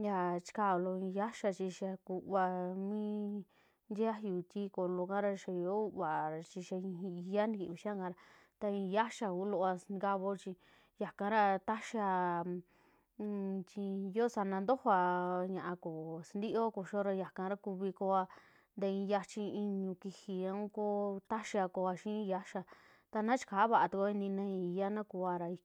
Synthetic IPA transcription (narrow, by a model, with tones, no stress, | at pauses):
ja˧t͡ʃi̥˧ka˦˧˨lo˧ĩ˧ja˦ʃa˧t͡ʃi˧ʃa˧ku˧βa˧mĩ˦ | nd̪ʲa˦ju˧t̪ʲi˦ko˧˨lo˧kã˦ɾa˧ʃa˧jo˦˧βa˨ɾa˧t͡ʃi˧ʃa˧ĩ˧i˧ja˦nĩ˧ki˧˨βi˧ʃã˦˧ɡã˧ɾa˧ | t̪a˧ĩ˧ja˦ʃa˧u˧˦lo˧ʔa˧sɡa˧βo˧t͡ʃi˧ | ja˨kã˧˦ɾa˧t̪a˦ʃa˧ | t͡ʃi˧jo˦sa˧nã˧nd̪o˦ho˧a˧ɲã˧ʔã˧ko˨sa˧nd̪i˦ʔo˦ko˧ʃo˦ɾa˧ja˨kã˧ɾa˦ku˧βi˧ko˧a˧ | nd̪e˧ĩ˧ja˧t͡ʃi˧i˧ɲũ˧ki˧hi˧a˧ũ˦ko˦t̪a˦ʃi˧a˧ko˧a˧ʃĩ˦˧ja˦ʃa˧ | t̪a˧nã˦t͡ʃi̥˧ka˨˦βa˧˨ʔa˧t̪u˧kʷa˦i˧nĩ˧nã˦ĩ˧i˧ja˦nã˦ku˧a˧ɾa˧i˧˦